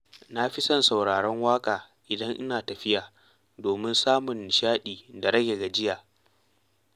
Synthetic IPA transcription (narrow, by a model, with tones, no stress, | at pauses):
na˦ɸi˦sɐ˦nsa˨wɽaː˨ɽɛ˦ŋwaː˦kʼaː˨ | ʔɪ˨dɐ˦ŋʔɪ˦naː˨tɐ˨ɸɪ˦jaː˨ | doː˨mɪ˦nsaː˦mʊ˨nʃaː˦ɗiː˨da˨ɽɐ˦ɡʲe˨ɡa˨d͡ʒɪ˦jaː˨